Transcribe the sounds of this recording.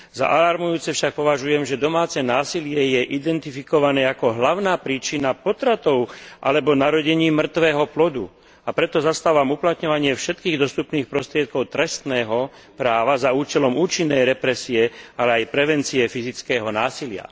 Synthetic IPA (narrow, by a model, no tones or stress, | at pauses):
za̰ʔalaɾmujuːt͡sɛfʃak̚pɔʋaʒujɛmʒɛd̪ɔmaːt͡sɛnaːsilɪɛjɛʔid̪ɛnt̪ifikɔʋanɛːakɔɦlaʊnaːpɾiːt͡ʃinapɔt̪ɾat̪ɔʊʔa̰lɛbɔnaɾɔɟɛɲiːmr̩t̪ʋɛːɦɔplɔd̪ṵ | apɾɛt̪ɔzast̪aːʋamuplat̪ɲɔʋaɲɪɛfʃɛt̪̚kiːɣd̪ɔst̪upniːxpɾɔst̪ɾɪɛt̪̚kɔʊt̪ɾɛst̪nɛːɦɔ | pɾaːʋazauːt͡ʃɛlɔmuːt͡ʃinːɛjɾɛpɾɛsiɛalɛajpɾɛʋɛnt͡siɛfizit͡skɛːɦɔnaːsilɪa̰